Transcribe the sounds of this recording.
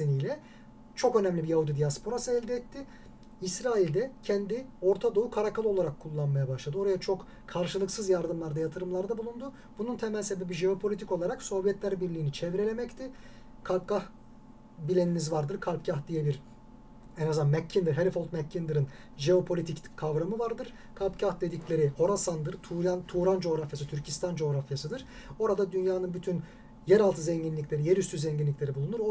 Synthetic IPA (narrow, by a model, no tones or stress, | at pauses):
senijlʲɛ | t͡ʃʰo̞kø̞næmlʲibijahud̪id̪ijaspʰo̞ɾasɯɛlʲd̪ɛːt̪ːɪ | isɾaːilʲd̪ɛcʰɛnd̪io̞ɾt̪ʰad̪o̞ukʰaɾakʰalˠo̞lˠaɾakʰːulˠːanmajabaʃlˠad̪ɯo̞ɾajat͡ʃʰo̞k | kʰaɾʃɯlˠɯksɯzjaɾd̪ɯmlˠaɾd̪ajat̪ʰɯɾɯmlˠaɾd̪abulˠund̪u | bununt̪ʰɛmælʲse̞bebiʒeo̞pʰo̞lʲit̪ʰi̥kolˠaɾakso̞vjɛt̪lʲæɾbiɾlʲiːnit͡ʃʰɛvɾe̞lʲe̞mɛct̪ʰɪ | kʰalʲp̚kah | bilʲenimizvaɾd̪ɯɾkʰalʲpcahd̪ijelʲiɾ | ɛnazd̪anmɛcʰːind̪ɯɾɦelʲifolt̪mɛcʰːind̪ɯɾɯn | ʒeo̞pʰolʲit̪ʰickʰavɾamɯvaɾd̪ɯɾ̥ | kʰalʲpcahd̪e̞d̪iclʲe̞ɾio̞ɾasand̪ɯɾt̪ʰuɾant̪ʰuːɾand͡ʒo̞ːɾafjasɯt̪ʰyɾcʰist̪ʰand͡ʒo̞ːɾafjasɯd̪ɯɾ̥ | o̞ɾad̪ad̪ynjaːnɯnbyt̪ʰyn | jɛɾalˠt̪ʰɯzɛɲɟinlʲiclʲe̞ɾijeɾyst̪ʰyzɛɲɟinlʲicʲlʲe̞ɾibulˠunuɾ